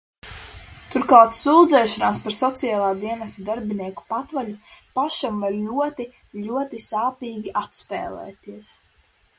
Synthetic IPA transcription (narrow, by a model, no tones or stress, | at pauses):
t̪uɾkˠaːt̪suːd̪zɛːʃɔnaːspaɾsɔt̪sijaːlˠaːd̪iɛnɛst̪id̪aɾbiniɛku̥pat̪vaʎupaʃamvaɾlʲuɔt̪i | ʎʲuɔt̪isaːpiːɡʲiʔat̪spɛːlˠɛ̰ːt̪iɛs